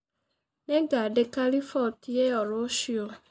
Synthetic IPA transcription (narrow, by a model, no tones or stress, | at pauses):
neɡadekalifɔtieɔɾɔʃio